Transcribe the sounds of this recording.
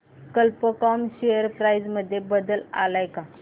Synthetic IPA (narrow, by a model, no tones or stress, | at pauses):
kəlpəkɔmɕejəɾpɾajd͡zməd̪ʱːjebəd̪əla̰lajka